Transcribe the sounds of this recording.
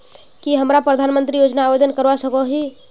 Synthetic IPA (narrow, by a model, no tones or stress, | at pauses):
kiɦəmɾapɾəd̪ʱanmənt̪ɾijod͡ʒnaːbed̪ənkəɾʋasəkɔɦi